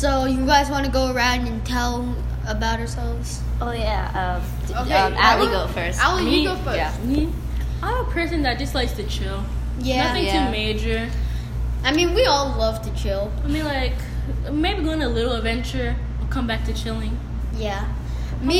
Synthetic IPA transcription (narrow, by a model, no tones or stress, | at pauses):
soʊjɨɡaɪzwɑ̃nɨɡoʊə˞ãʊ̃ndɨ̃ntʰɛlˠ | əbaʊɾ̚hə˞sɛlˠvz̥ | ʔoʊjæʌ | oʊkeʌaiɡoʊfɜ˞saljɨɡoʊfɜ˞æs | aɪvəpʰɜ˞sɨ̃nðɨt̚d̥ʒ̥ʌslaɪstʰɨt͡ʃʰɪlˠ | jæʌθɪ̃ŋtʰʉmeɪd͡ʒə˞ | ʔaɪmĩnwiɔlˠlʌv̥tʰɨt͡ʃʰɪlˠaɪmĩnlaɪk | meɪbiɡoʊɪ̃nəlɪɾl̩ˠədvɛ̃nt͡ʃə˞ | əkʰʌ̃mbæk̚tʰɨt͡ʃʰɪlˠɪ̃ŋ | jæ | mi